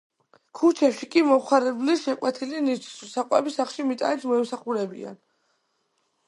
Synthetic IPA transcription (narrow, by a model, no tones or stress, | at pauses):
kʰut͡ʃʰɛpʃikʼimɔχaɾɛbliʃɛqʼwɛt̪ʰilinit͡ʃʰi̥sisaqʼwɛbisaχʃimit̪ʼa̰nit̪ʰmɔɛmsaχuɾɛbḭa̰n